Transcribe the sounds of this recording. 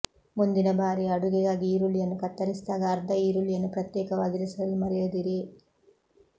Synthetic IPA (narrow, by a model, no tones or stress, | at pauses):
mund̪inɐbaːɾiɐɽuɡɛɡaːɡiiːɾuljɐnːukɐt̪ːɐɾisd̪aːɡɐːɾd̪ʱɐiːɾuljɐnːupɾɐt̪jɛːkɐʋaːɡiɾɐsɐɐlimɐɾɛjoːd̪iɾi